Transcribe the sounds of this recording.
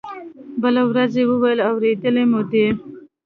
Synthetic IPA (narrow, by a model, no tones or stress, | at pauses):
bəlawɾazewəwajəlawɾed̪əlemud̪e